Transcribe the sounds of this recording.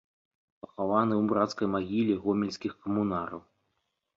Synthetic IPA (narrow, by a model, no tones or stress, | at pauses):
pɐxavanɨwbɾat̪skɐjmaɣʲilʲiɣɔmʲilʲsʲkʲixkɐmunaɾɐw